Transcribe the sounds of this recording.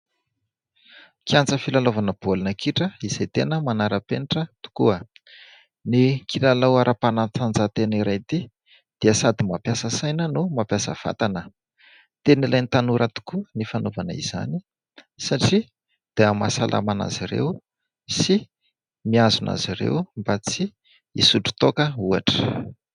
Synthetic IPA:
kiant͡səfilalovanəb̥olinəkiʈ͡ʂəiz̥ajt̪enəmanaɾəpeniʈ͡ʂət̪u̥kuə | nikʰilalawaɾʔapanat͡s̪and͡zat̪eniɾajt̪i | d̪̥eəsad̪imapjasəsajnənumapjasə̰v̥a̰t̪anə | t̪enilajnt̪anuɾʔat̪u̥kunifanovanəḭz̥a̰ni | saʈ͡ʂi | d̪̥eama̰salʔa̰mana̰ziɾḛw | si | miazunʔa̰ziɾḛwmbat͡si | isuʈ͡ʂu̥t̪okəuaʈ͡ʂə̥

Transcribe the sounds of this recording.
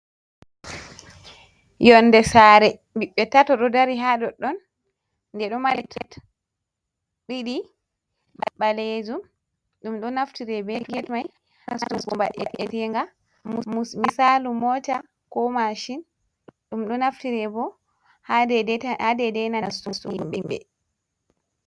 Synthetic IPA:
jɔndɛsaːɾɛ | biɓːɛtatɔɗɔdaɾiɦaɗɔɗɔn | ndɛɗɔmalɛkɛt | ɗiɗi | ɓa̰ɓaled͡ʒum | ɗumɗɔnaftiɾɛbɛɡɛtmaj | nasukɔmba̰ɗɛ̰ʔɛtɛŋɡa | mmumisalumɔta | kɔmaʃin | ɗumɗɔnaftiɾɛbɔ | hahadɛdɛnastusuimbimbɛ̰

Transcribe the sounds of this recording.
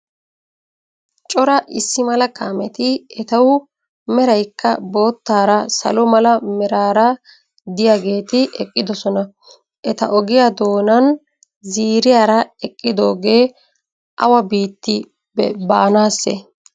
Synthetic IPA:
t͡ʃʼɔɾɐʔɪsːɪmɐlɐkaːmɛt̪ɪɛt̪ɐw | mɛɾɐjkːɐbo̞ːt̪ːaːɾɐsɐ̰lɔmɐlɐmɛɾaːɾɐ | d̪ɪjaɡe̞ːt̪ɪʔɛkʼːɪd̪ɔsɔnɐ | ʔɛt̪ɐ̰ʔɔɡɪjad̪o̞ːnɐn | ziːɾɪjaːɾɐɛkʼːɪd̪o̞ːɡe̞ː | ʔɐ̰wɐbiːt̪ːɪ | bɛbaːnaːsːɛ̰

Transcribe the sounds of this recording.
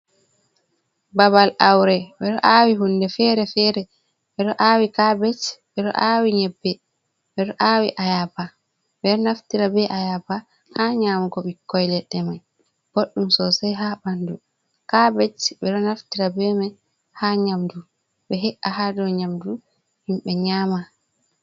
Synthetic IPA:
babalʔawɾɛɓɛɗɔʔawiɦundɛfɛɾɛfɛɾɛ | ɓɛɗɔʔawikabɛt͡ʃɓɛɗɔ̰ʔawiɲɛbːɛ | ɓɛɗɔʔaːwiʔajaba | ɓɛɗɔnaftiɾabɛʔajaba | haɲaːmuɡɔɓikːɔjlɛɗːɛmaj | ɡ̥oɗːumsɔsajɦabandu | kabɛt͡ʃɓɛɗɔnaftiɾabɛma | haɲamdu | ɓɛɦɛʔahadɔɲamdu | himɓɛɲaːma

